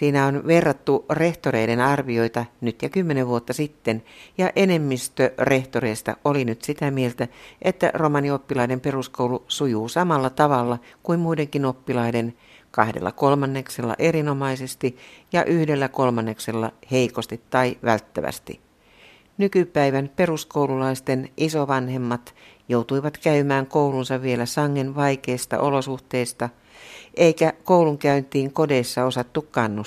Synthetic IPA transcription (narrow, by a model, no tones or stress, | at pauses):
siːnæonʋe̞rːɑt̪ːure̞ht̪ore̞idenɑrʋio̞it̪ɑnyt̪jɑkymːeneʋʋuot̪ːɑsit̪ːenjɑʔene̞mːist̪øreht̪oreist̪ɑ̰olinyt̪sit̪æmielt̪æʔet̪ːæ̰romɑnio̞pːilɑide̞mpe̞ruskowlusujuːsɑmɑlːɑt̪ɑʋɑlːɑkuimmuide̞ŋkinopːilɑide̞n | kɑhdḛlːɑ̰kolmɑnːe̞kselːɑ̰ʔe̞rino̞mɑisest̪ijɑʔyhdelːækolmɑnːekselːɑ̰heikost̪it̪ːɑiʋælt̪ːæ̰ʋæ̰st̪ḭ | nykypæiʋæmpe̞ruskowlulɑist̪enʔisoʋɑnhe̞mːɑt̪ | jowt̪uiʋɑt̪kæymæːŋkoulunsɑʋʋielæsɑŋːenʋɑike̞ːst̪ɑ̰ʔolosuht̪e̞ist̪ɑ | ʔeikækouluŋkæynt̪iːŋkodeːsːɑo̞sɑt̪ːukkɑnːus